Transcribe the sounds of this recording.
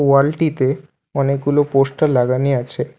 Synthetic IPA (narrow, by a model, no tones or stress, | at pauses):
ualʈit̪e | ɔnek̚ɡuloposʈalaɡaniat͡ɕʰe